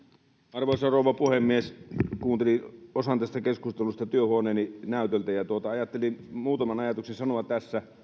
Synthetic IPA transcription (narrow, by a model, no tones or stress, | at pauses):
ɑrʋoˑisɑroˑuʋˑɑpuhemːieskuːnt̪eliosɑnt̪æst̪ækeskust̪elust̪ɑt̪yøhuoneːninæˑyt̪elt̪æjɑt̪uot̪ɑɑjɑt̪ːelinmuːt̪ɑmɑnɑjɑt̪uksensɑnoʋɑt̪æsːæ